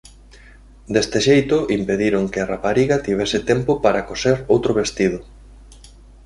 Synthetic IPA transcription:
d̪est̪ɪʃejt̪ʊʔimpeðiɾoŋkearapaɾiɣat̪iβ̞esɪt̪empʊpaɾakoseɾowt̪ɾoβest̪ið̞ʊ

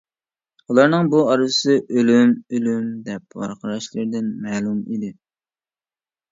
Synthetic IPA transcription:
ulˠɑɾnɨŋbuɑɾvɨsɨʔølymølymd̪ɛp̚wɑ̰ɾqəɾɑʃlˠɨɾd̪ɪnmɛːlˠumid̪ɪ

